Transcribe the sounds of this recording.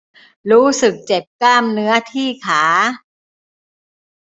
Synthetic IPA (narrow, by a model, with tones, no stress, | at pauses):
ɾuː˦˥sɯ˨˩k̚t͡ɕe˨˩p̚klaː˥˩mnɯ˦˥ɐt̪ʰiː˥˩kʰaː˩˦